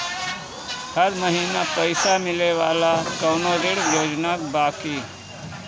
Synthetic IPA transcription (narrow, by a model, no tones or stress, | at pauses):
həɾməɦiːnapəɪsamɪleʋaːlakəːnoɾɪɽjoːd͡ʒnaːkbaːkiː